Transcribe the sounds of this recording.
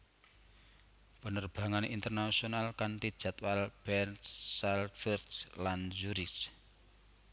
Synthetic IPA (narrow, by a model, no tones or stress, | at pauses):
b̥ə̤nərb̥ä̤ŋaneint̪ərnasionalkaɳʈi̥ʒ̥a̤t̪walb̥ɛnsalfɛrdsland͡ʒuɾis